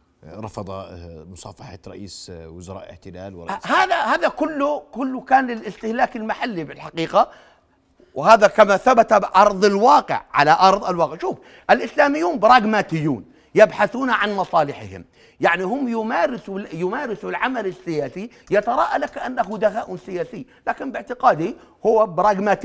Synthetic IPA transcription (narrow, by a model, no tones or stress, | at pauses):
ɾˤɑ̰fɑd̪ˤɑ̰mʊsˤɑ̰ːfɑħa̰ɾˤɑ̰ʔḭːswʊzɑɾˤɑ̰ːʔɪ̰ħt̪ɪla̰ːlwɾˤhaːðahaːðakʊlːʊkʊlːʊkaːnlɪlʔɪst̪ɪhlaːkɪlmaħalːibɪlħaqiːqa | whaːðakamaθabat̪abʔɑɾˤðˤɪlwɑːqɪ̰ʕːa̰laʔɑɾˤðˤɪlwɑːqɪʕʃuːf | ʔɪlʔɪslaːmɪjːuːnbɾˤɑːɡmaːt̪ɪjːṵːn | jɪbħaθuːnaʕanmɑsˤɑːlɪħɪ̰hɪ̰m | jaʕnihʊmːjʊmaːɾɪsujʊmaːɾɪsulʕamalɪsːɪjaːsi | jat̪ɑɾˤɑːʔalakʔanːaɦʊd̪aɣaːʔwsɪjaːsɪːlaːkɪmbɪʕt̪ɪqɑːd̪i | hʊwːabɾˤɑːɡmaːt̪